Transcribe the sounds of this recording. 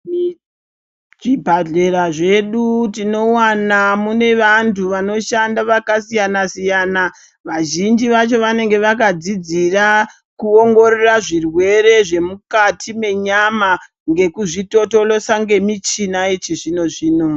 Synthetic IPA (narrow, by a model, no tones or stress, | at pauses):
ʐibʱaɮe̞ɾaʐe̞ɗutino̞wanamune̞ʋantʰuʋano̞ʃandaʋakasijanasijana | ʋaʒind͡ʒiʋat͡ʃo̞ʋane̞ŋɡe̞ʋakad͡zid͡zira | kuoŋɡo̞reraʐirwe̞ɾe̞ʐe̞mukatʰime̞ɲama | ŋɡe̞kuʐito̞to̞lo̞saŋɡe̞mit͡ʃinaet͡ʃiʐino̞ʐiːno̞